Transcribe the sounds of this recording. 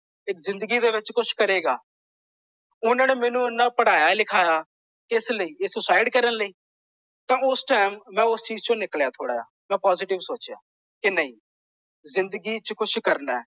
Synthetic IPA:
ɪkzɪ̃nd̪əɡiːd̪eːʋɪt͡ʃkʊʃkəɾeːɡaː | ʊnãːnemɛːnũːʊnːãːpəɽaːjaːlɪkʰaːjaː | kɪsləiːɪsʊsaːɪɖkəɾənləiː | t̪ãːʊsʈaːɪmːɛ̃ːʊst͡ʃiːzt͡ʃõnɪkljaːt̪ʰoːɽa̰ːja̰ːmɛ̃ːpɔːzɪːʈɪʋsoːt͡ʃja̰ː | kɪnəĩː | zɪ̃nd̪əɡiːt͡ʃkʊʃkəɾnaːɛː

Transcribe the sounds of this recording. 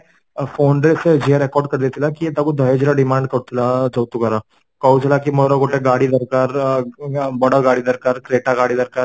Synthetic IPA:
foɳɖɾesəd͡ʑiɦaɾekɔɾɖ̚kəɾd̪et̪ilakiːt̪akud̪ʱəɦed͡ʑilaɖimaɳɖkəɾt̪ʰilad͡zəwt̪ukəɾa | kaud͡zlakimɔɾɔkoʈeɡaɽiːd̪əɾkaɾ | bɔɽəɾɡaɽiːd̪əɾkaɾkɾeʈaɡaɽiːd̪əɾkaɾ

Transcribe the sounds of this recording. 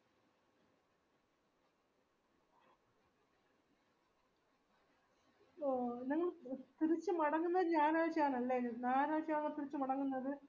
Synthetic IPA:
niŋːɐɭt̪iɾit͡ɕːɨmɐɽɐŋːunːɐðɨɲaːnaːɻt͡ɕːijaːnɐlːennaːnaːɻt͡ɕːianiŋːɐɭt̪iɾit͡ɕːumɐɽɐŋːunːɐðɨ

